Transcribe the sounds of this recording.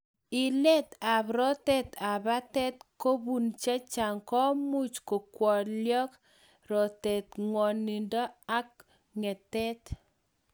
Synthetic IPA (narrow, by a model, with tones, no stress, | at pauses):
i˨lɛ˦t̪a˨βɾɔ˦tɛ˦t̪a˨ba˦tɛ˦t̪ko˦bu˨nt͡ʃa˦t͡ʃa˨ŋkɔ˦mu˦t͡ʃko˨kwɔ˨ljɔ˦k | ɾɔ˨tɛ˨t̪ŋwɔ˨ni˨ndɔ˦a˦k̚ | ŋɛ˨tɛ˦t̪